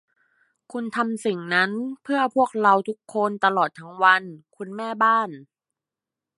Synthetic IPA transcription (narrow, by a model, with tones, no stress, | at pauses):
kʰu˧nt̪ʰa˧msi˨˩ŋna˦˥npʰɯ˥˩ɐpʰu˥˩ək̚ɾa˧wt̪ʰu˦˥kʰːo˧nt̪a˧lɔː˨˩t̪ʰːa˦˥ŋwa˧nkʰu˧nmɛː˥˩baː˥˩n